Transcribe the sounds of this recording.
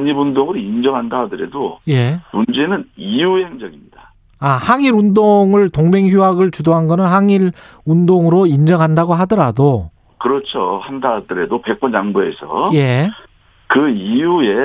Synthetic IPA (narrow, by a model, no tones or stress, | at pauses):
ɲibundoŋɯɾoind͡ʑʌŋɦandadɯɾe̞̰doje̞mund͡ʑe̞nɯnijuheŋd͡ʑʌɡimɲida | ahaŋiɾundoŋɯɭtoŋme̞ŋçuaɡɯɭt͡ɕudoɦanɡʌnɯnhaŋiɾ | undoŋɯɾoind͡ʑʌŋɦandaɡoɦadʌɾado | kɯɾʌt͡ɕʰo̰handadɯɾe̞dope̞k̚k͈ʌnt͡ɕaŋbue̞sʰʌ̰je̞ | kɯijue̞